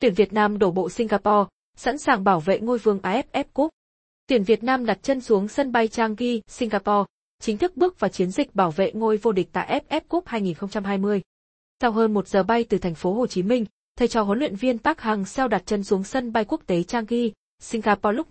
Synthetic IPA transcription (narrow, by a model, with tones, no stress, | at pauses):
t̪wi˨˧˩ənvi˨˩ət̚naː˧mɗo˧˩ɓo̰˧˨si˧ŋ̟ɣaː˧pɔ˧ | sa̰˧˥nsaː˨˩ŋɓaː˧˩wvḛ˧˨ŋo˧jvɨ˧əŋʔaː˧ʔɛ˦˥p̚ʔɛ˦˥p̚ku˦˥ək̚ | t̪wi˧˩ənvi˨˩ət̚naː˧mɗa˨˩t̚t͡ɕə˧nsu˨˦əŋsə˧nɓa˧jt͡ɕaː˧ŋɣi˧sï˧ŋ̟ɣaː˧pɔ˧ | t͡ɕï˨˦ŋ̟t̪ʰɨ˦˥k̚ɓɨ˦˥ək̚vaː˨˩t͡ɕi˨˦ənzï˨˩k̚ɓaː˧˩wvḛ˧˨ŋo˧jvo˧ɗi˨˩k̚t̪a̰ː˧˨ʔɛ˦˥p̚ʔɛ˦˥p̚ku˦˥k̚haː˧jŋi˨˩nxə˧ŋ͡mt͡ɕa˧mɦaː˧jmɨ˧əj | sa˧wɦəː˧nmo˨˩t̚z̥əː˨˩ɓa˧jt̪ɨ˨˩t̪ʰɛ˨˩ŋ̟fo˨˦ɦo˨˩t͡ɕi˨˦mï˧ŋ̟ | t̪ʰə˨˩jt͡ɕɔ˨˩ɦo˨˦nlḭ˧˨ənvi˧ənt̪aː˦˥k̚ha˨˩ŋsɛ˧wɗa˨˩t̚t͡ɕə˧nsu˨˦əŋsə˧nɓa˧jku˦˥ək̚t̪e˨˦t͡ɕaː˧ŋɣi˧ | sï˧ŋ̟ɣaː˧pɔ˧lʊ˦˥k͡p̚